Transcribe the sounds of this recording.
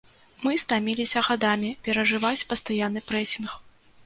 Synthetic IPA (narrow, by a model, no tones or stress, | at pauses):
mɨst̪amʲilʲisʲɐɣad̪amʲipʲɛɾɐʐɨvat͡sʲpɐst̪ajanːɨpɾɛsʲinx